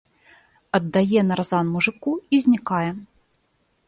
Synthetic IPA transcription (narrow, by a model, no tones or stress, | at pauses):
ɐd̪ːajɛnɐɾazanmuʐɨkuizʲnʲikajɛ